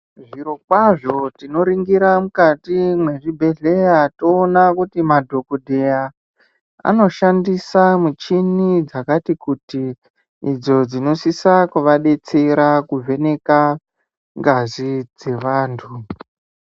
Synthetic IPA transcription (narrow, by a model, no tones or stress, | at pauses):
ʐiɾo̞kwaʐo̞tino̞ɾiŋɡiɾamukatimwe̞ʐibʱe̞ɮe̞jato̞ːnakutimadʱo̞kuɗʱea | a̰no̞ʃandisamut͡ʃinid͡zakatikutiː | d͡zo̞d͡zino̞sisakuʋaɗe̞t͡seɾakuvʱe̞ne̞ka | ŋɡazid͡ze̞ʋaːntʰu